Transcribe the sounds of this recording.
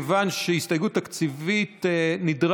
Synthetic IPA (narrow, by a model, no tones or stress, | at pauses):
vanʃeistajɡutakt͡sivitnidʁ